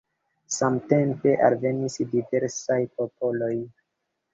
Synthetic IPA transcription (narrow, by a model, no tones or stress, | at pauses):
samte̞mpe̞ʔalve̞nisdive̞ɾsajpo̞po̞lo̞j